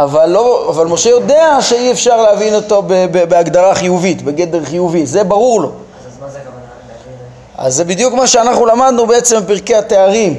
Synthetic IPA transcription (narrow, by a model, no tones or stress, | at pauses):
avalːo̞avalmo̞ʃejo̞d̪e̞aʃeiefʃaʁleavino̞to̞bebebeaɡd̪aʁaχijuvit̪be̞ɡe̞d̪eʁχijuvitze̞baʁuʁlo̞ | a̰zːebid̪jukmaʃeanaχnulamad̪nubeet͡se̞mbpiʁkeateaʁim